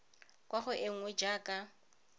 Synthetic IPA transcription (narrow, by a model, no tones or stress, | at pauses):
kʼwaχʊʔɪŋ̩wɛd͡ʒaːkʼa